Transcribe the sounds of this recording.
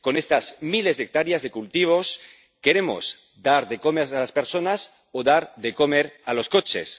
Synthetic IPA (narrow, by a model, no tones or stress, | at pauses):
ko̞nest̪azmilezðek̚t̪aɾjazðe̞kult̪iβ̞o̞s | keɾemo̰z̥ | d̪aɾðekomeɾalaspeɾsonas | oðaɾðekomeɾalo̞skot͡ʃḛs